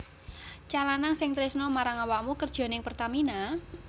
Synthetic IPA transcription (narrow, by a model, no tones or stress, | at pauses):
t͡ʃalanaŋsɪŋt̪ɾɪsnɔmaɾaŋawaʔmukərd̥ʒ̥ɔ̤nɪŋpərt̪amina